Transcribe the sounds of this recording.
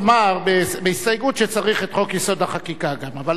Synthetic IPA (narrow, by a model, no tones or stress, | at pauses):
maʁbebeist̪ajɡut̪ʃet͡saʁiχet̪χo̞kjeso̞d̪aχakikaɡamava